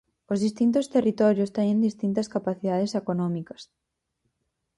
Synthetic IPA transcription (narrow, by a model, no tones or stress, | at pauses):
ozðist̪int̪ost̪erit̪ɔɾjost̪eɲẽnd̪ist̪int̪ɐskapaθiðaðesekonɔ̃mikɐ̥s